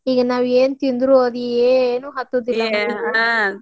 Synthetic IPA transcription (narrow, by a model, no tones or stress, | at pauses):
iːɡɐnaːʋeːnut̪ind̪ɾuɐd̪ieːnuːɦɐt̪ːoːd̪ilːɐ